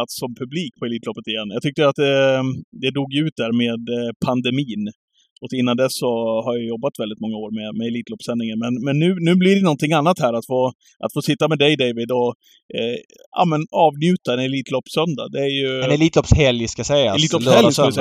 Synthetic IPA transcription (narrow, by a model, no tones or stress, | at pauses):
at̪sɔmpʰɵbliːk̚pʰɔɛliːt̪ʰlɔpːət̪ɪjɛnːjɑɡt̪ʰʏkt̪əɾat̪̚d̪ɛd̪ɛd̪uːɡjɵʉ̟ːt̪̚d̪æɾmeːd̪pʰand̪ɛmiːn | ʔɔkɪnːand̪ɛsːɔɦaɾjajɔbːat̪vɛld̪ɪt̪mɔŋːaoːɾmɛmɛɛliːt̪ʰlɔːpːsɛnːɪŋəɾmɛnmɛnːʉ̟ːnʉ̟ːblɪɖɛnɔnt̪ɪŋːanːat̪hæːɾat̪foː | ʔa̰t̪foːsɪt̪ːamɛd̪ɛjd̪ɛjvɪd̪ɔ | a̰mɛnɑːvnjʉ̟ːt̪aɛnɛliːt̪lɔpːsœnd̪a̰d̪ɛæɾjɵnɛliːt̪lɔpshɛljskajasɛjaliːt̪ɔɛls